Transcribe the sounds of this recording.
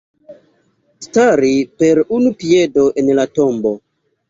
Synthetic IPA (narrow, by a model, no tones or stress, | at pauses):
staɾipeɾunupiedo̞ʔenlato̞mbo